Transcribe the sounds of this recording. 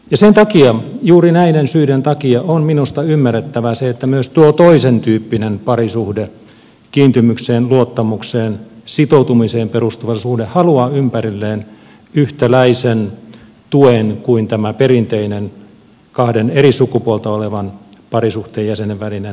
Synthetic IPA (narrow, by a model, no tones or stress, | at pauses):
jɑsent̪ɑkiɑjuːrinæinensyident̪ɑkiɑonminust̪ɑymːæret̪ːæʋæseet̪ːæmyøst̪uot̪oisent̪yːpːinenpɑrisuhde | kiːnt̪ymykseːnluot̪ːɑmukseːnsit̪out̪umiseːmperust̪uʋɑsuhdehhɑluɑːympærilːeːn | yht̪ælæisen | t̪uenkuint̪æmæperint̪einen | kɑhdenerisukupuolt̪ɑoleʋɑnpɑrisuht̪eːjæseneʋʋælinen